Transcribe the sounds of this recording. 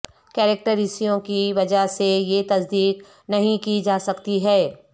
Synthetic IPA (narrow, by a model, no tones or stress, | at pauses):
kɛːɾek̚ʈəɾisijõkiʋɐd͡ʒaɦsejet̪ɐsd̪iːk | nɐɦĩkid͡ʒaːsɐkt̪iɦɛː